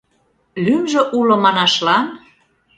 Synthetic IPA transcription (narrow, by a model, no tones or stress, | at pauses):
lymʒø̆ʔulŏmɑnɑʃlɑn